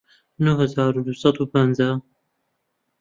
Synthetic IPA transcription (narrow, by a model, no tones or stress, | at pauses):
nuhəzaːɾud̪usɑt̪uːpənza